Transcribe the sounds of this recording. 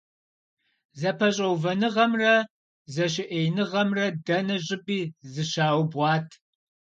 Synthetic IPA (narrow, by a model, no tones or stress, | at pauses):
zɐpʰɐɕʼɐwvɐnɨʁɐmrɐ | zɐɕ̬ɪʔeːjnɨʁɐmrɐdɐnɐʑʼɪbʼiːzɨɕaːwbʁɑːtʰ